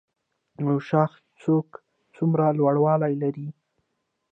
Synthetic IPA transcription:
awʃɑx | t͡sok | t͡sumɾalwaɽwɑlajlaɾi

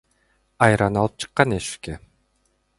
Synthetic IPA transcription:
ɑjɾɑnɑlˠɯp̚t͡ʃʰɯ̥qːɑneʃy̥ke

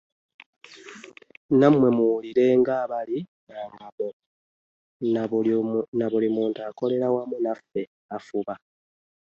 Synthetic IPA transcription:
namwe̞muwuliɾe̞ːŋɡaːβalinaːŋɡamo | naβulimuːntaːko̞le̞ɾawamunafe̞ | afuβa

